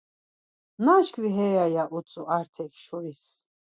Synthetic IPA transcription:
naʃkʰviɦɛjajaʔut͡sʼuʔaɾt̪ʰɛkʰʃuɾis

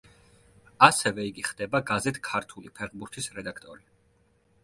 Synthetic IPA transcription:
asɛvɛiɡiχd̪ɛbaɡazɛt̪ʰkʰaɾt̪ʰulipʰɛʁbuɾt̪ʰisɾɛd̪akʰt̪ʼɔɾi

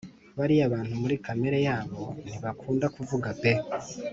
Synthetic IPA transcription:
βaɾiaβaːnhumuɾikame̞ɾe̞jaːβo̞n̥iβakʰuːndakuvuɡape

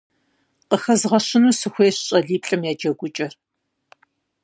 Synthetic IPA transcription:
qəxɐzʁɐɕɪnuːsɨxʷeːɕɕʼɐɮiːpʰɬʼɐmjaːd͡ʒɐɡʷʊt͡ʃʼɐr

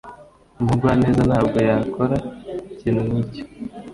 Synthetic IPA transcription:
umuɡwaːne̞ːzanhaːb̚ɡo̞jakʰo̞ɾaciːnunico̥

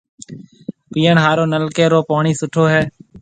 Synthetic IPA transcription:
piːəɳɦaːɾoːnəlkeːɾoːpoːɳiːsʊʈʰoːɦɛː

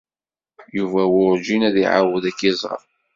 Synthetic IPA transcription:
juvæwʊɾd͡ʒinæðiʕa̰wəðækːizˤʁə̰ɾ

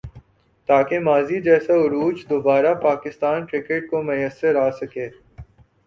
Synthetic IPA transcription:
t̪aːkemaːzid͡ʒɛːsaʊɾuːd͡ʒd̪obaːɾapaːkɪst̪aːnʈɾɪkeʈ̚komʊjəsːəɾaːsɐkeː

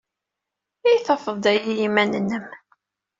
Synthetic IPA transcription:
ijθɑfəðˤd̪æjijimænənːəm

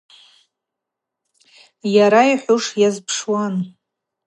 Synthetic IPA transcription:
jaɾaiħʷʊʂjazpʰʂwan

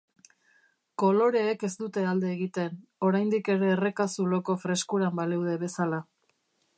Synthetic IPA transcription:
ko̞lo̞ɾe̞ːke̞st̪ut̪e̞ald̪e̞ːɣit̪e̞no̞ɾajnd̪ike̞ɾe̞ːre̞kasulo̞ko̞fɾe̞skuɾambalewðe̞βe̞sala

